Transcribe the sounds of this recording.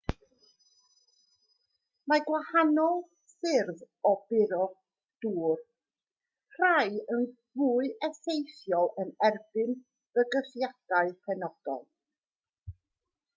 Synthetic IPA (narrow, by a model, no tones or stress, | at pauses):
maɡwahanɔlˠ | sɪrð | ɔbɪɾɔ | d̥uːr | r̥ajənvuːɨʔɛsejθjɔlˠənɛrb̥ɨn | v̥əɡəθjad̥aɨpʰɛnɔd̥ɔ̰lˠ